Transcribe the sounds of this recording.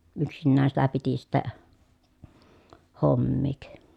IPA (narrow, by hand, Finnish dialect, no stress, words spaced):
yksinːæːn sitæ piti sitːæ homːiːk